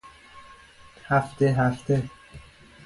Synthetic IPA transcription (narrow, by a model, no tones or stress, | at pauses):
hæft̪eɦæft̪ʰe